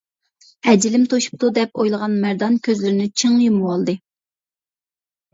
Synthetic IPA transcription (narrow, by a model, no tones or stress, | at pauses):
hɛd͡ʒilɪmt̪ʰoʃu̥p̚t̪ʰud̪ɛpojlˠəʁɑnmæɾd̪ɑnkʲʰøzlɪɾɪnɪt͡ʃʰɨŋjumwɑlˠd̪ɨ